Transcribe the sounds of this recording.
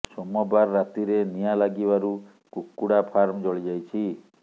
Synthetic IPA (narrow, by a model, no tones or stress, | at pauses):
sɔmɔbaɾːat̪iɾenijalaɡibaɾu | kukːuɽapʰaɾmd͡ʒɔɭid͡ʒajt͡ʃʰi